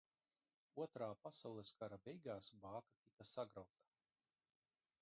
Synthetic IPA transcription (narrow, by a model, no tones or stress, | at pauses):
uɔt̪ɾaːpasawlˠɛskaɾabʲɛjɡaːsbaːkat̪ikasaɡɾawt̪ḁ